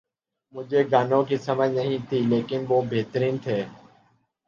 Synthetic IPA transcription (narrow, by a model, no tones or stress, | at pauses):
mʊd͡ʒʱeːɡaːnõːkiːsəməd͡ʒnəɦĩːt̪ʰiːleːkɪnʋoːbʱeːt̪ɾiːnt̪ʰeː